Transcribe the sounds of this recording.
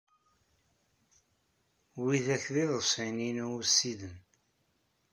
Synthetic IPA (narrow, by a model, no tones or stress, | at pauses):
wiðæçðiðəsˤininuwsiðən